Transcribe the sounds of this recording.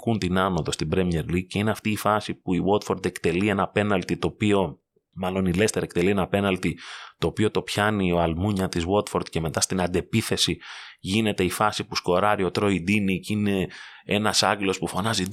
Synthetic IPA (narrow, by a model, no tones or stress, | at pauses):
kunt̪inɐno̞ðo̞st̪ibɾemie̞ɾlice̞ineɐft̪iːfɐsipuiwot̪fo̞ɾd̪e̞kt̪e̞lie̞nɐpe̞nɐlt̪it̪o̞ːpio̞ | mɐlo̞nilest̪e̞ɾɐek̚t̪elie̞nɐpe̞nɐlt̪it̪o̞ːpio̞t̪o̞pçɐnio̞ɐlmuɲɐt̪izwo̞t̪fo̞ɾt̪ce̞me̞t̪ɐst̪inɐd̪e̞piθe̞siʝine̞t̪e̞ifɐsipusko̞ɾɐɾio̞t̪ɾo̞id̪inicine̞e̞nɐsɐɟelo̞spufo̞nɐzi